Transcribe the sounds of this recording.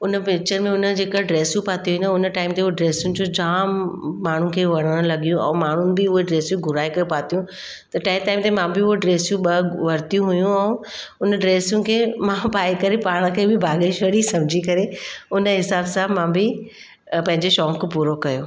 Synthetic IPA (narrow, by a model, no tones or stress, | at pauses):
ʊnəpɪk̚t͡ɕəɾmẽʊnə̆d͡ʑeːkəɖɾeːsjũpaːt̪ijɦĩnʊnəʈaːɪmt̪eʊɦoɖɾeːsjʊnɪ̆d͡ʑod͡ʑaːmːaːɳ̤ʊkʰeːʋɐɽ̤̃əɽ̃lɐɡijũɛ̰̃ːmaːɳ̤ʊnɪ̆bɪʊɦeɖɾeːsjũɡʱʊɾaːikɐepaːt̪ijũ | t̪ɐʈaːɪ̃ʈaːɪmt̪emãbɪʊɦoɖɾeːsjũɓɐʋɐɾt̪ijũɦʊjũɛ̃ː | ʊnəɖɾeːsjʊ̃nɪ̆kʰeːmãpaːikɐɾepaːɽ̃ə̆kʰeːbɪbʱaːɠeʃɐɽisɐmd͡ʑʱikɐɾeʊnə̆ɦɪsaːbsãmãbɪ | pɐ̃ɦɪ̃ɲd͡ʑeʃɔːkpuːɾokɐjoː